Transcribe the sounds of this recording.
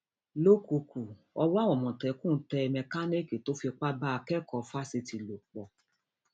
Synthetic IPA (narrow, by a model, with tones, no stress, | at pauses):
lo˦ku˧ku˨ | ɔ˧wa˦wɔ̃˨mɔ̃˨tɛ˨˦kũ˦n̩˦tɛ˧mɛ̃˧ka˦ni˦ki˨to˦fi˧k͡pa˦ba˦a˧kɛ˦kɔ˨˧fa˦si˧ti˧lo˨k͡pɔ˨